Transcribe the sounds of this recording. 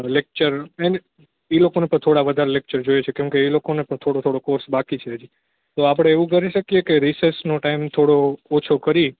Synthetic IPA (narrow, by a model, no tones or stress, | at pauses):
lek̚t͡ʃəɾene | elokonepəɳ̃t̪ʰoɽaʋəd̪ʱaɾelek̚t͡ʃəɾd͡ʒojet͡ʃʰekɛ̃mkeːlokonepəɳ̃t̪ʰoɽot̪ʰoɽokoɾsbakit͡ʃʰeɦəd͡ʒi | t̪oapɽ̃eːʋũk̬əɾiʃəkijekeɾisesnoʈaimt̪ʰoɽoːt͡ʃʰokəɾi